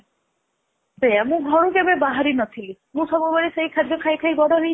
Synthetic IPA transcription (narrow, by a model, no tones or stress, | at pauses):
beamũɡʱɔɾukebebaɦaɾinɔt̪ʰilimũsɔbɔbɔɾisejkʰad̪jɔkʰajkʰajbɔɽɔɦej